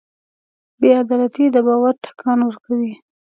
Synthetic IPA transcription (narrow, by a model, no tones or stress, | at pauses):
bead̪ɑlat̪id̪əbɑwaɾʈḁkʰɑnwəɾkawi